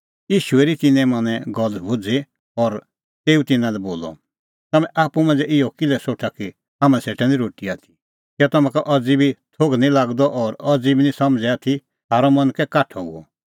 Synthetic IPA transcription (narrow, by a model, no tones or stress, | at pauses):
jiːʃueɾit̪ɪnɛ̃mɐnɛ̃ɡɔlbʊd͡ze | ɔɾ | t̪eːut̪ɪnãlɛboːlɔ̰ | t̪ɐmɛ̃ʔaːpːumɐ̃ːnd͡zɛʔɪɔkɪlɛsoːʈʰaki | ɦaːmãseʈɛnĩɾoːʈiaːt̪ʰi̥ | kɔt̪ɐmɛ̃kaʔɐd͡zibit̪ʰoɡnĩlaːɡd̪ɔʔɔɾɐd͡zibinĩsɐmd͡zɛaːt̪ʰi | haːɾɔmɐ̃nkɛkaʈʰɔṵɔ̰